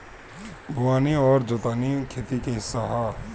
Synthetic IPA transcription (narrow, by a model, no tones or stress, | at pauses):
bʱʊwaːniɔːɾd͡ʒoːt̪aːnikʰeːt̪ikeɦɪsːaɦa